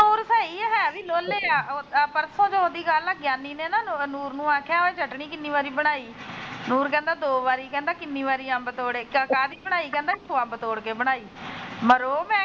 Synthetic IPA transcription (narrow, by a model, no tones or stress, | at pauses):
uːɾsəːiːɦɛːʋiːloːleːaːpəɾsõːd͡ʒoːoːd̪iːɡaːlːəɡjaːniːneːnaːnuːɾnũːãːkʰjaːɦoeːd͡ʒʱəʈɳ̃iːkɪnːiːʋaːɾiːbəɽ̃aːiːnuːɾkɛ̃ːnd̪aːd̪oːʋaːɾiːkɛ̃ːnd̪aːkɪnːĩːʋaːɾiːãːbət̪oːɽeːəkaːd̪iːbəɽ̃aːiːkɛ̃ːnd̪aːɪtʰːuːãːbət̪oːɽkeːbəɽ̃aːiːməɾoːmɛ̃ː